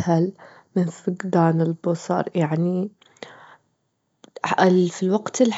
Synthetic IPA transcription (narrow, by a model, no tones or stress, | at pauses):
hal | mɪnfʊɡd̪aːnɪlbʊsˤɑ̰ɾˤjaʕni | ɪlfilwaɡt̪ɪl